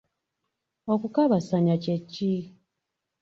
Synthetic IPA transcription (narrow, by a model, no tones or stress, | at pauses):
okukaβasaɲacecːi